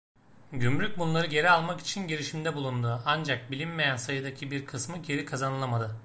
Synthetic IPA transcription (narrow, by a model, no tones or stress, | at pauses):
ɟymɾyc̚bunlˠaɾɯɟe̞ɾialˠmaki̥t͡ʃʰinɟeɾiʃimd̪ɛbulˠund̪uand͡ʒak̚bilʲinme̞jænsajɯd̪acʰibiɾkʰɯsmɯɟe̞ɾikʰazanɯlˠamad̪ɯ